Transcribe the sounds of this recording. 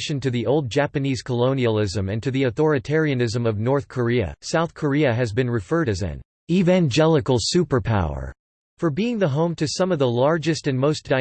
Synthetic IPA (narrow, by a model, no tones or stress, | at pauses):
ʃɨ̃ntɨðiʔoʊlˠd̚d͡ʒæpɨniz̥kʰəlõʊ̃niəlˠɪzɨ̃mɨ̃ntʰɨðiɨθɔɹɨtʰɛɹiɨ̃nɪzə̃mʌvnɔɹθkʰə˞iɨ̰saʊθkʰə˞iɨɨzbɨ̃nɹɨfɜ˞ɾɨzɨ̰̃n | ivæ̃nd͡ʒɛlˠəkl̩ˠsʉpə˞pʰa̰ʊə̰˞ | fə˞biɪ̃ŋðəɦõʊ̃mtʰɨsʌ̃mʌvðəlɑɹd͡ʒɨstɨ̃nmoʊsd̥aɪ